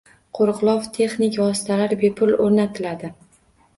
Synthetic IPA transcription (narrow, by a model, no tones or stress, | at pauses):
qʰoɾqlˠɒft̪ʰe̞χnɪkʲvɒs̬ɪ̥t̪ʰalaɾbepʰʊloɾnat̪ʰɪlad̪ɪ